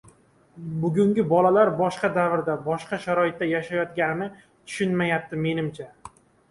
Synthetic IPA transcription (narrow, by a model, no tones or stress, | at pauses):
bʊɡʲʊŋɡʲɪbɒlalaɾbɒʃqɑd̪avɾd̪abɒʃqɑʃaɾɒɪt̪̚ːajaʃajɒt̪ɡʲanɪnɪ | t̪ʰʊ̥ʃʊnmajap̚t̪ɪme̞nɪmt͡ʃʰa